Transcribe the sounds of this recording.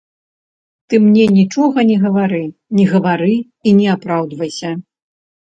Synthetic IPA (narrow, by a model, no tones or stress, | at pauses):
t̪ɨmnʲɛnʲit͡ʂɔɣɐnʲɛɣɐvaɾɨnʲɛɣɐvaɾɨ | inʲɛapɾawd̪vɐjsʲɐ